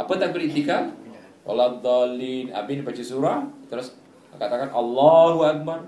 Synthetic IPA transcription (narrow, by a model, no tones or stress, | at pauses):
ʔapat̪ak̚bəɾit̪ikal | wa̰lad̪ˤalina̰binbat͡ʃisuɾat̪əɾʊs | kat̪akanʔɑlːaɦuak̚bar